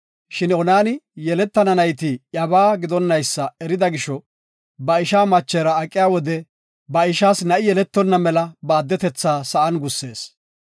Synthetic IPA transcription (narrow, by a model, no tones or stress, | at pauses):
ʃɪnɔnaːnɪjɛlɛt̪ːɐnɐnɐjt̪ɪʔjɐβaːɡɪd̪ɔnːɐjsːɐɛɾɪd̪ɐɡɪʃɔ | bɐɪʃaːmɐt͡ʃːeːɾɐːkʼːɪjaːwɔd̪ɛ | bɐɪʃaːsnɐʔɪjɛlɛt̪ːɔnːɐmɛlɐbaːd̪ːɛt̪ɛt͡sːaːsɐʔɐnɡʊsːe̞ːs